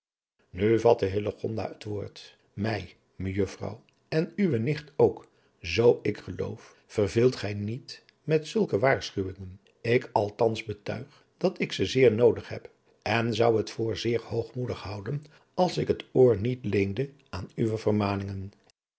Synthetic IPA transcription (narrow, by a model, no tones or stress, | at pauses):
nyvɑtəɦɪləχɔ̰nda̰ːətʋoːɹt | mɛj | məjɵfrɑ̰w | ɛnyʋənɪχtowk | zowɪkχəlo̰wf | fərvɪlˠtχɛjnit | mɛtsɵlˠkəʋaːɹsχyʋɪŋən | ɪkʰɑlˠtɑnzbətœ̰ɥχ | d̥ɑtɪksəzɪːɹnowdəχɦɛp | ɛnzʌwɦətfʊːɹzɪːɹhowχmudəχɦʌwdən | ɑlˠsɪkɦətoːɹnitlejndə | ʔaːnyʋəvərmaːnɪŋən